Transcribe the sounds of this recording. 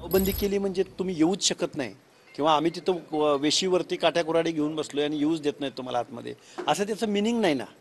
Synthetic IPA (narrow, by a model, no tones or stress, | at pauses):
ʋbənd̪ʱikeliːm̤əɳd͡zet̪um̤iːjeuːt͡sɕəkət̪na̰ɦḭ | kĩw̃ʋaːm̤iːt̪̬it̪ʰəʋeɕiːʋəɾt̪iːkaʈʰjakuɾaɽiːɡʱeuːnbəslojaɽ̃ijeuːt͡sd̪et̪nəjt̪um̤a̰la̰t̪mə̰d̪ʱjḛəsəːt̪jat͡səːminiŋɡnaɦjna̰